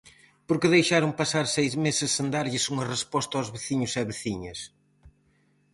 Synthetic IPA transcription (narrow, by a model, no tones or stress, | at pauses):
poɾkɪðejʃaɾʊŋpasaɾsejzmesɪsːend̪aɾʎɪsuŋɐrespɔst̪ɐawzβeθiɲʊsɛβeθiɲɐs